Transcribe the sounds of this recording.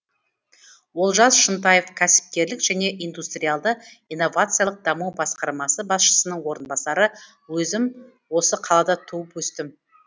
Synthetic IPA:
wo̞lˠʒɑsʃənt̪̬ɑjefkʲʰæsɪ̥p̚k̪ʲe̞ɾlɪkʒ̥æne̞ʔijnd̪ust̪ɾijalˠd̪ə | ijnːo̞vat̪sɨjalˠəq̚d̪ɑmuwbɑsqɑɾmɑsəbɑsʃə̥sənəɴwo̞ɾənbɑsɑɾə | wɵzɪm | wo̞səqʰɑlˠɑd̪ɑt̪ʰuəpwɵst̪ɪm

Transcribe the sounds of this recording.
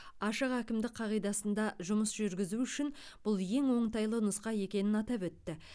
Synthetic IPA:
ɑʃəqækʲɪmd̪ɪk̚qʰɑʁijd̪ɑsənd̪ɑʒʊməsʒʏɾɡʲɪzuʏʃɪn | b̥ʊlˠje̞ŋwo̞ɴt̪ɑjlˠənʊsqɑje̞kʲe̞nɪnɑt̪ɑpwɵt̪ːɪ

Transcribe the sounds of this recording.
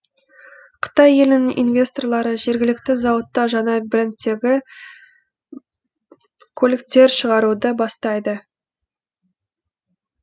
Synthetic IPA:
qʰə̥t̪ɑje̞lɪnɪŋḭnvʲe̞st̪o̞rlˠɑɾəʒe̞ɾɡʲɪlɪkt̪ɪzɑwət̪ːɑʒɑnɑbɪɾɪnt̪ːe̞ɡʲɪ | kʰɵlɪk̚t̪e̞ɾʃəʁɑɾud̪əbɑst̪ɑjd̪ə

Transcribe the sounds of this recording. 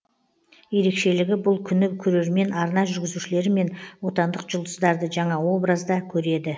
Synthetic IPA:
je̞ɾe̞kʃe̞lɪɡʲɪbʊlˠkʲʰʏnɪkʲʰɵɾe̞ɾme̞nɑɾnɑʒʏɾɡʲɪzuʃɪle̞ɾɪme̞nwo̞t̪ɑnd̪əqʒʊlˠd̪əsd̪ɑɾd̪əʒɑɴɑwo̞bɾazd̪ɑkʲʰɵɾe̞d̪ɪ

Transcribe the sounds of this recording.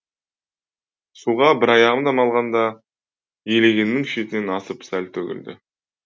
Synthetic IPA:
suʁɑbɪɾɑjɑʁəmd̪ɑmɑlˠʁɑnd̪ɑ | jele̞ɡʲe̞nːɪŋʃet̪ɪne̞nɑsəpsælt̪ʰɵkʲɪ̰ld̪ɪ̰

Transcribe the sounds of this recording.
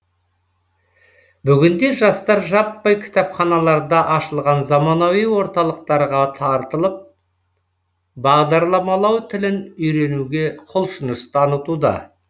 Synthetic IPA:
bʏɡʲɪnd̪e̞ʒɑst̪ɑɾʒɑpːɑjkʲʰɪ̥t̪ɑpχɑnɑlˠɑɾd̪ɑʔɑʃəlˠʁɑnzɑmɑnowijwo̞ɾt̪ɑlˠəq̚t̪ɑɾʁɑt̪ʰɑɾt̪əlˠəp̚ | bɑʁd̪ɑɾlˠɑmɑlˠɑwt̪ʰɪlɪnʏjɾe̞nuɡʲe̞qʰolˠʃənəst̪ʰɑnət̪ud̪ɑ̰

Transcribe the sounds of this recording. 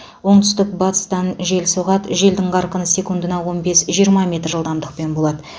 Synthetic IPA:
wo̞ɴt̪ʏ̥st̪ɪk̚bɑt̪ə̥st̪ɑnʒe̞lsuʁɑt̪ʒe̞ld̪ɪɴqɑɾqənəse̞kund̪ənɑwo̞nbe̞sʒijəɾmɑmʲe̞t̪ɾʒəlˠd̪ɑmd̪əq̚pe̞nbo̞lˠɑd̪ə

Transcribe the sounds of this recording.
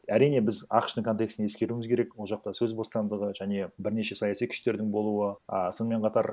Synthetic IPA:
æɾijne̞bɪzɑ̰qə̥ʃt̪əŋkʰo̞nt̪e̞ksɪneskʲe̞ɾumɪzkʰʲe̞ɾe̞kwo̞lˠʒɑqt̪ɑsɵzbosɑnd̪əʁəʒæne̞bɪɾne̞ʃe̞sɑjɑsijkʰʏ̥ʃt̪e̞ɾd̪ɪŋbo̞lˠuwəəsonəme̞ɴqʰɑt̪ɑɾ

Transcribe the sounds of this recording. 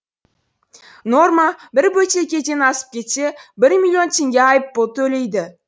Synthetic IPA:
no̞ɾmabɪɾbojt͡ʃeekʲet̪ʲenɑsɪ̥p̚kʲe̞t̪ʃebɪɾmʲilʲːio̞nt̪ʰeŋɡʲaajpːot̪ːɵlejd̪ɪ

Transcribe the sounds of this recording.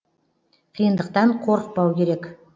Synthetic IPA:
qʰijənd̪əq̚t̪ɑɴqʰo̞ɾəq̚pɑwkʲʰe̞ɾe̞k

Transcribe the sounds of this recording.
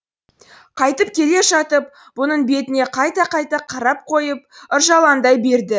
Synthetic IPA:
qʰɑjt̪əpkʲʰe̞le̞ʒɑt̪əp | bʊnəɴbe̞t̪ɪne̞qʰɑjt̪ɑqɑjt̪ɑqʰɑɾɑp̚qʰo̞jəp̚əɾʒɑlˠɑnd̪ɑjbe̞ɾd̪ɪ

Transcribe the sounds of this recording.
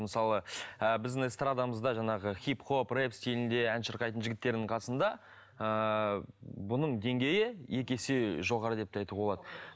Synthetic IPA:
məsɑlˠəəbɪzd̪ɪŋst̪rad̪aməzd̪ɑʒɑɴɑʁəχʲipχo̞prepst̪ilɪnd̪e̞ænʃəɾqɑjt̪ənʒɪɡʲɪt̪ːe̞ɾd̪ɪŋqʰɑsənd̪ɑ | ə | bʊnəɴd̪e̞ŋɡʲe̞jɪje̞kʲe̞sɪʒo̞ʁɑɾəd̪e̞p̚t̪ɑjt̪əp̚boɑd̪ə

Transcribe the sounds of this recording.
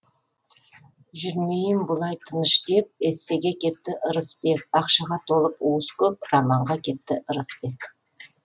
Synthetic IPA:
ʒʏɾme̞jɪmbʊlˠɑjt̪ʰənəʃd̪e̞p̚esːe̞ɡʲe̞kʲʰe̞t̪ːɪʔəɾəspe̞kɑqʃɑʁɑt̪ʰo̞lˠəpwoskʲʰɵp̚rɑmɑɴʁɑkʲʰe̞t̪ːɪʔəɾəspe̞k

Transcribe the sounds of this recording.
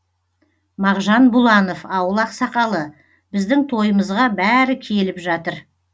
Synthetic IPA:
mɑʁʒɑnbʊlˠɑno̞fɑwəlˠɑqsɑqɑlˠə | bɪzd̪ɪŋt̪ʰo̞jəməzʁɑbæɾɪkʲʰe̞lɪpʒɑt̪əɾ

